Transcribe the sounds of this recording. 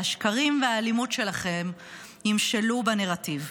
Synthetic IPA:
aʃkaʁimvealimutʃe̞laχe̞m | imʃelubeneʁativ

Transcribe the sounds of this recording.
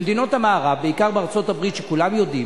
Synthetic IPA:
d̪ino̞t̪amaːʁabeikaʁbeaʁt͡so̞tabʁit̪ʃekulamjo̞d̪i

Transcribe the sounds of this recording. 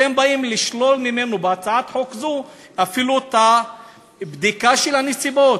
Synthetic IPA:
embaimliʃlo̞lmime̞nubeat͡saat̪ħokzu | afilut̪a | bd̪ikaʃelanesibo̞t

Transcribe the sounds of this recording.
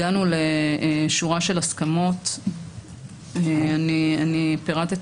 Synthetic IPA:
anuleʃuʁaʃe̞laskamo̞t̪ | eanianipeʁat̪et

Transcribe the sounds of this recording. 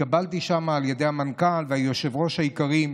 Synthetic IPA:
abalt̪iʃamaːlje̞d̪e̞jhamankalvehajoʃevʁo̞ʃhajikaʁim

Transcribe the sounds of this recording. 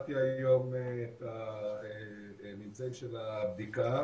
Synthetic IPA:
t̪iajo̞met̪ae | mit͡seɡʃelabd̪ika

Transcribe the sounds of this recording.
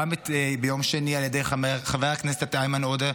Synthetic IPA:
ametbejomʃenialjedejχaveaknɛse̥t̪ajmanode

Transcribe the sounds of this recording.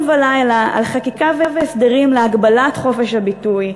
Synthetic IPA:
valajlaa̰lχakikaveveːsd̪eʁimleaɡbalatχo̞feʃhabituj

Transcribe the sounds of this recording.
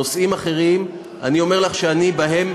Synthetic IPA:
osimaχe̞ʁim | a̰nio̞me̞ʁlaχʃeanibaɦe̞m

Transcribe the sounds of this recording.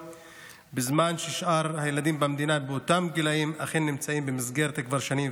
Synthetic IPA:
bezmanʃeʃʔaʁhajelad̪imbamed̪inabeot̪amɡilaimaχenːimt͡saimbemizɡeʁt̪akvaʁʃanim

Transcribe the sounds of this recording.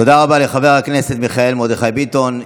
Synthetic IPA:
o̞d̪aʁabaleχave̞ʁakne̞se̞t̪miχae̞lmo̞d̪eχajbit̪o̞n

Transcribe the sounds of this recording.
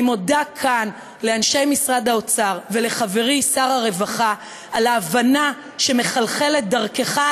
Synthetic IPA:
imo̞dakʰan | le̞anʃe̞jmisʁad̪ao̞t͡saʁve̞le̞χave̞ʁisaʁaʁe̞vaχa | alaːvana | ʃe̞me̞χalχe̞le̞t̪̚d̪aʁkeχa

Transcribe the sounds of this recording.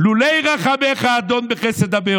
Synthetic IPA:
lulejʁaχabeχaːd̪onbeχesed̪abe

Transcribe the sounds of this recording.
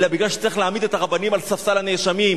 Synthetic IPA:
labiɡlaʃt͡sʁiχleamid̪et̪aʁabanimalsafsalaneʃamim

